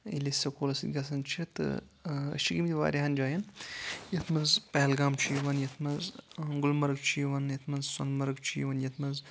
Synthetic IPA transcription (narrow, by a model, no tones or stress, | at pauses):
ilisɐkoːlɐsid̪ʲɡʲɐsɐnt͡ʃʰit̪ɨ̰ | ɐ̰ʃiɡimt̪ʰʲiʋa̰ːɾʲiɦɐnd͡ʒaːjɐnjɐt̪ʰmɐnzpɐɦlɡaːmt͡ʃʰiʋɐnjɐt̪ʰmɐzɡʊlmɐɾɡ̚t͡ʃʰijʋɐnjɐt̪ʰmɐzsɐ̰nmɐɾɡt͡ʃʰijʋɐnjɐt̪ʰmɐz